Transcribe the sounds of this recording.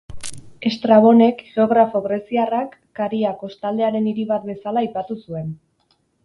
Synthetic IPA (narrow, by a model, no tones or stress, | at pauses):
e̞st̪ɾaβ̞o̞ne̞kʝe̞o̞ɣ̞ɾafo̞ɣɾe̞siarakːaɾiakost̪ald̪e̞aɾe̞niɾiβat̪be̞salaːjpat̪usue̞n